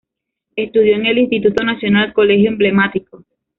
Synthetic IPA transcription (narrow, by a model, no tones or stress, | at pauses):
e̞st̪uð̞jo̞eŋe̞linst̪it̪ut̪onasjonalko̞le̞xjoemble̞mat̪iko